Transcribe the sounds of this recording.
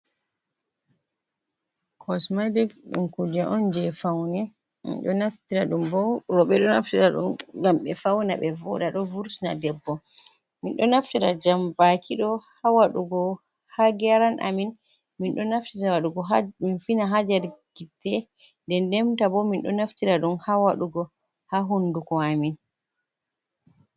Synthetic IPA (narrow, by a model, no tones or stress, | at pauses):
kʰɔsmajdɛɗṵnkud͡ʒaʔɔnd͡ʒɛfawnɛ | mḭnɗɔnaftiɾaɗumbɔɾɔɓɛɗɔnaftiɾaɗṵmɡamɓɛfawna̰ɓɛvɔ̰ɗaɗɔvuɾsna̰dɛbːɔ | minɗɔnaftiɾad͡ʒambakʰiɗɔhawaɗuɡɔ | haɡɛɾanʔa̰min | minɗɔnaftiɾawaɗuɡɔminfinaɦad͡ʒaɾɡ̥itːɛ | ndɛndɛmtabɔminɗɔ̰naftiɾaɗumhawaɗuɡɔ | haɦundukɔamin